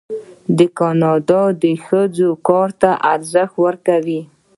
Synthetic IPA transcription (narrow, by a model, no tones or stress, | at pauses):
d̪əkɑnɑd̪ɑd̪əxəd͡zokɑɾt̪aʔaɾzəxt̪wəɾkawi